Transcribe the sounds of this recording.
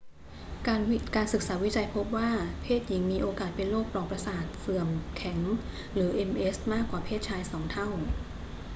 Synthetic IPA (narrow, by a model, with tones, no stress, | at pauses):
ka˧nkaː˧nsɯ˨˩k̚saː˩˦wi˦˥t͡ɕa˧jpʰo˦˥p̚waː˥˩pʰeː˥˩t̪̚ji˩˦ŋmiː˧ʔoː˧kaː˨˩t̪̚pe˧nloː˥˩k̚plɔː˨˩pɾa˧saː˨˩t̪̚sɯ˨˩əmkʰɛ˩˦ŋ | ɾɯː˩˦ʔe˧mʔe˦˥smaː˥˩kːwaː˨˩pʰeː˥˩t̪̚t͡ɕʰaː˧jsɔː˩˦ŋt̪ʰa˥˩w